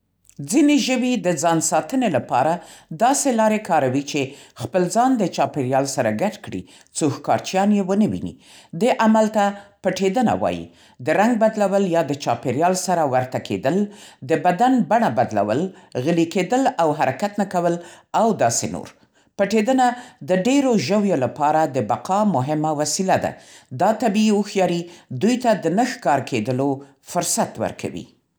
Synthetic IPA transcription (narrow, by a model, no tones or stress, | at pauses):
d͡zineʒəwid̪əd͡zɑnsɑt̪ənelapɑ̰ɾad̪ɑselɑɾekɑɾawit͡ʃexpəlzɑnd̪ət͡ʃɑpeɾjɑlsaɾaɡaʈkɽḭ | t͡soxkɑ̰ɾt͡ʃjɑnjewənəwḭnḭ | d̪eʔamalt̪apəʈed̪əna̰wɑ̰jḭ | d̪əɾaŋɡ̚bad̪lawəljɑd̪ət͡ʃɑpeɾjɑlsaɾawaɾt̪akʰḛd̪əld̪əbad̪anbaɳabad̪la̰wəlɣəliked̪əlawɦaɾakat̪nakawəl | awd̪ɑsḛno̰ɾ | pəʈed̪ənad̪əɖeɾoʒəwjolapɑɾad̪əbaqɑmʊɦɪmawasilad̪a̰d̪ɑt̪abiiwuxjɑɾid̪ujt̪ad̪ənəxkɑɾkʰed̪əlo | fʊɾsat̪wə̰ɾkʰa̰wḭ